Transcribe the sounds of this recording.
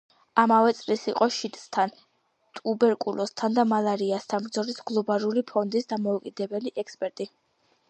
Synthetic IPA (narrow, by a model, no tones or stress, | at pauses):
amavɛt̪sʼlisiqʼɔʃit̪ʼst̪ʰan | t̪ʼubɛɾkʼulɔst̪ʰand̪amalˠaɾiast̪ʰanbɾd̪zɔlisɡlˠɔbalulipʰɔnd̪isd̪amɔukʼid̪ɛbɛliʔɛkspʼɛɾt̪ʼi